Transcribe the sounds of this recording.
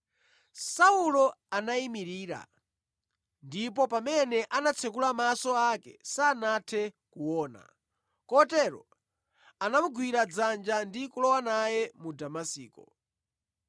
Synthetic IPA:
saulɔanaimiɾiːɾa̰ | ndipɔpamɛnɛʔanat͡sʰɛk̬ulamasɔakɛ̰sanatʰɛ | kuwɔːna̰ | kɔtɛɾɔ̰ | anamuɡwiɾad͡zand͡ʒandikulɔwanajɛmudamasiːkɔ

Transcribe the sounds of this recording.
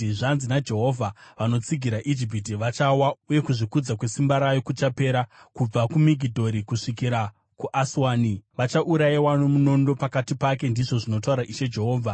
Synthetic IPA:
ʐanzinad͡ʒe̞ɦo̞vʱaʋano̞t͡siɡʱiɾaʔid͡ʒip̬it̬iʋat͡ʃawauje̞kuʐikud͡zakwe̞simbaɾajo̞kut͡ʃape̞ːɾakub͡vakumiɡʱidʱo̞ɾikuʂikiɾa | kuʔaswaːniʋat͡ʃaʔuɾaiwanomuno̞ndo̞pakatipake̞ndiʐo̞ʐino̞t̬auɾaʔiʃe̞d͡ʒe̞ɦoːvʱa

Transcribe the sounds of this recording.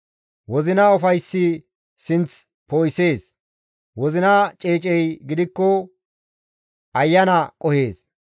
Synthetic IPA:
wɔzɪnɐʊfɐjsːɪ | sɪnt͡s | poːjse̞ːs | wɔzɪnɐt͡ʃʼeːt͡ʃʼɛjɡɪd̪ɪkːɔ | ʔɐjːɐnɐkʼɔhe̞ːs

